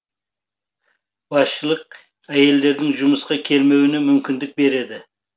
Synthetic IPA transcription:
bɑsʃəlˠəq̚ | æje̞ld̪e̞ɾd̪ɪŋʒʊməsqɑkʲʰe̞lme̞wɪnemʏmkʲʰɪnd̪ɪk̚be̞ɾe̞d̪ɪ

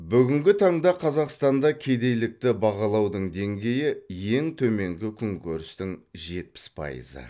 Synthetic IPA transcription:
bʏɡʲɪŋɡʲɪt̪ʰɑɴd̪ɑqʰɑzɑqst̪ɑnd̪ɑkʲʰe̞jd̪e̞jlɪk̚t̪ɪbɑʁɑlˠɑwd̪əɴd̪e̞ŋɡʲe̞jɪje̞ŋt̪ʰɵme̞ŋɡʲɪkʲʰʏŋkʲɵɾɪst̪ɪŋʒe̞t̪̚pɪ̥spʰɑ̰jə̰zə̰

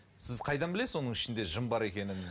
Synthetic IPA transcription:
sɪzqʰɑjd̪ɑnbɪle̞sɪwo̞nəɴɪʃɪnd̪e̞ʒəmbɑɾe̞kʲe̞nɪn

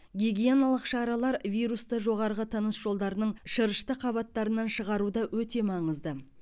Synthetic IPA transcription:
ɡʲiɡʲijonalˠəqʃɑɾɑlˠɑɾvʲijɾust̪əʒo̞ʁɑɾəʁət̪ʰənəsʒ̥o̞lˠd̪ɑɾənəɴʃəɾəʃt̪əqʰɑβɑt̪ːɑɾənɑnʃəʁɑɾud̪ɑwɵt̪e̞mɑɴəzd̪ə

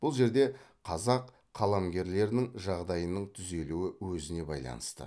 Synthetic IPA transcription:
b̥ʊlˠʒe̞ɾd̪e̞qʰɑzɑqʰː | ɑlˠɑmɡʲe̞ɾle̞ɾɪnɪŋʒɑʁd̪ɑjənəɴt̪ʰʏze̞luɪwɵzɪne̞bɑ̰jlˠɑ̰nəst̪ə̰

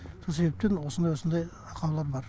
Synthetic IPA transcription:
sos̬e̞be̞p̚t̪enwosənd̪ɑjwo̞sənd̪ɑj | ɑqʰɑwlˠɑɾbɑɾ

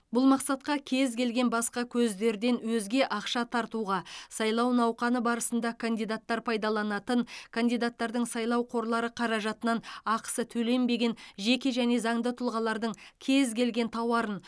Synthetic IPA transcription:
bʊlˠmɑqsɑt̪̚qɑkʲʰe̞zkʰʲe̞lɡʲe̞nbɑsqɑkʲʰɵzd̪e̞ɾd̪e̞nwɵzɡʲe̞ʔɑqʃɑt̪ʰɑɾt̪uʁɑsɑjlˠɑwnɑwqɑnəbɑɾəsənd̪ɑkʰand̪ijd̪at̪ːɑɾpʰɑjd̪ɑlˠɑnɑt̪ənkʰand̪ijd̪at̪ːɑɾd̪əɴsɑjlˠɑwqʰo̞ɾlˠɑɾəqʰɑɾɑʒɑt̪ənɑnɑqsət̪ʰɵle̞mbe̞ɡʲe̞nʒe̞kʲe̞ʒæne̞zɑɴd̪ət̪ʰʊlˠʁɑlˠɑɾd̪əɴkʲʰe̞zkʲʰe̞lɡʲe̞nt̪ʰɑwɑɾən

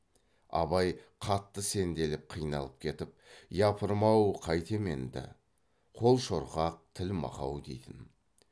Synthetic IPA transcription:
ɑ̰βɑjqʰɑt̪ːəse̞nd̪e̞lɪp̚qʰijnɑ̰lˠəp̚kʲʰe̞t̪ɪp̚jɑpʰəɾmɑwqʰɑjt̪e̞me̞̰nd̪ɪ̰ | qʰo̞lˠʃo̞ɾʁɑq̚t̪ʰɪlmɑ̰qɑ̰wd̪e̞̰jt̪ɪn

